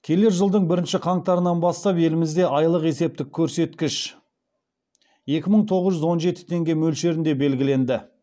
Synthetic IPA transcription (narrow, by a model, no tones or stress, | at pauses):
kʲʰe̞le̞ɾʒəlˠd̪əɴbɪɾɪnʃɪqʰɑɴt̪ɑɾənɑnbɑst̪ɑpe̞lɪmɪzd̪e̞ʔɑjlˠəqe̞se̞p̚t̪ɪkʲʰːɵɾse̞t̪kʲɪʃ | je̞kʲɪməɴt̪ʰo̞ʁəzʒʏzwo̞nʒe̞t̪ɪ̥t̪ʰe̞ŋɡʲe̞mɵlʃe̞ɾɪnd̪e̞be̞lɡʲɪle̞nd̪ɪ